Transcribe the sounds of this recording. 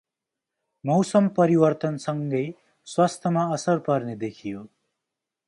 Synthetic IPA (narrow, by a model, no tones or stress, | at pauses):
mʌwsʌmpʌɾiwʌrt̪ʌnsʌŋɡʌj | swast̪ʰjʌmaʌsʌrpʌrned̪ekʰijo